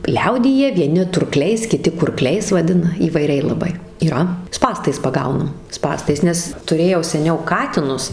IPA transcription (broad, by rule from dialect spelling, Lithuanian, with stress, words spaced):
ˈlʲɛʊdʲiːjɛ ʋʲiɛˈnʲɪ tʊrˈklʲɛɪs kʲɪˈtʲɪ kʊrˈklʲɛɪs ʋɐˈdʲɪnɐ iːʋɐɪˈrʲɛɪ lˠɐˈbɐɪ iːˈrɐ ˈspɑːstɐɪs pɐˈɡɐʊnɐm ˈspɑːstɐɪs ˈnʲɛs tʊˈrʲeːjɛʊ sʲɛˈnʲɛʊ ˈkɑːtʲɪnʊs